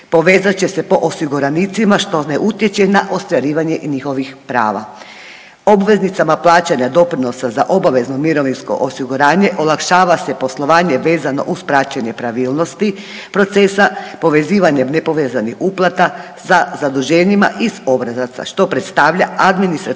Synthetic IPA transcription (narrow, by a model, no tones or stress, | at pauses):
po̞ʋeːzat͡ɕe̞se̞po̞ʔosiɡuɾanit̪simaʃt̪o̞neʔut̪jet͡ɕenaʔo̞st̪ʋaɾiːʋaɲe̞ɲixo̞ʋixpɾa̰ːʋa̰ | o̞bʋe̞znit̪samaplˠaːt͡ɕaɲad̪o̞pɾino̞sazaʔo̞baʋe̞zno̞miɾo̞ʋinsko̞̰ʔosiɡuɾaːɲe̞ʔolˠakʃaːʋasepo̞slˠo̞ʋaːɲe̞ʋe̞ːzano̞̰ʔuspɾaːt͡ɕaɲe̞pɾaʋiːlˠno̞st̪i | pɾo̞t̪se̞sapo̞ʋe̞ziːʋaɲemne̞po̞ʋeːzanixuplˠat̪a | sazad̪uʒeːɲima̰ʔizo̞bɾazat̪sa̰ʃt̪o̞pɾet̪st̪aːʋʎaad̪minist̪ɾa